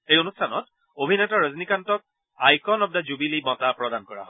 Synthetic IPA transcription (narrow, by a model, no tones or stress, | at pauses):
ejonustʰanɔ̰t | obʱinɛtɔɹaznikantɔk̚ | ajkɔnɔb̚dazubilimɔtapɹɔdankɔɹa̰ɦɔ